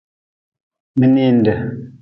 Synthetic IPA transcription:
mə˨ne˦ndə˨

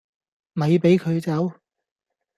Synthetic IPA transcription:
mɐ˨˧jpe˨˥jkʰɵ˨˧ɥt͡sɐ˨˥w

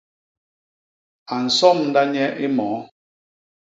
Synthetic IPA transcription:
a˨n̩˨sɔ˦˨mn̩˦da˦ɲɛ˦ʔi˦mɔː˨˦

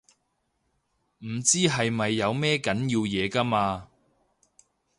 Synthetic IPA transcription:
m̩˨˩t͡siː˥ɦɐ˨jmɐ˨jːɐ˨˧wmɛː˥kɐ˨˥nji˧wjɛː˨˧kɐ˥maː˧

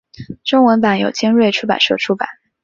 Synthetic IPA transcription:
ʈ͡ʂʊ˥ŋwə˧˥npa˨˥njo˨˩ʊt͡ɕi˥ŋɻwe˥˩ɪʈ͡ʂʰu˥pa̰˨˩nʂɔ˥˩ʈ͡ʂʰu˥pa̰˨˩˦n

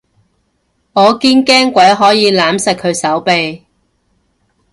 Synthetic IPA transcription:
ŋɔː˨˧kiː˥nkɛː˥ŋkʷɐ˨˥jɦɔː˨˥jiː˨˧laː˨˥msɐ˨k̚kʰɵ˨˧ɥsɐ˨˥wpe˨j

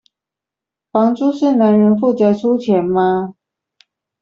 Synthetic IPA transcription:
fɑ˧˥ŋʈ͡ʂu˥ʂɻ̩˥˩na˧˥nɻə˧˥nfu˥˩t͡sa˧˩ɪʈ͡ʂʰu˥t͡ɕʰjɛ˧˥nma˧

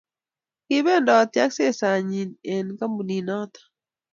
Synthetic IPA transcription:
kɪ˦be˦ndɔ˨t̪ja˦kse˦sa˨ɲi˨ne˨nka˦mu˨ni˨nɔ˦t̪ḁ˨

